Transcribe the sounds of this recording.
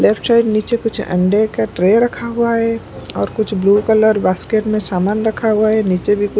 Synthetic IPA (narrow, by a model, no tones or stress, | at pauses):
leːpʰʈsaːɪɖniːt͡ʃekʊt͡ʃʰə̰̃ɳɖekaʈɾeɾɐkʰaɦʊaɦɛ | ɔːɾkʊt͡ʃʰbluːkələɾbaːskeːʈmẽsaːmaːnɾəkʰaɦʊaɦɛniːt͡ʃebʱikʊ